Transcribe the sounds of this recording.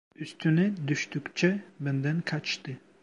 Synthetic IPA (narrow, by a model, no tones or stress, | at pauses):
yst̪ʰynɛd̪yʃt̪ykt͡ʃʰɛbɛnd̪ɛnkʰɑt͡ʃt̪ɨ